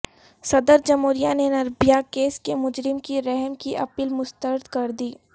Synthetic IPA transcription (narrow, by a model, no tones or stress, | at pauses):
sɐd̪əɾd͡ʒɐmuːɾijanenɐɾbijakeːskemʊd͡ʒɾɪmkiɾɛɦmkiʔɐ̰piːlmʊst̪əɾəd̪kɐɾd̪iː